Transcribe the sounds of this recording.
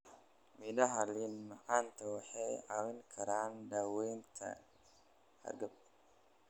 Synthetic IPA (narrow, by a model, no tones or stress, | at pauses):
mɪd̪ɐɦɐlinmɐʕaːnt̪ʰɐwɑħɑjʕawɪŋkʰɐɾaːndɐwɛjnt̪ʰɐ̰ | hɐ̰ɾɡɐb̚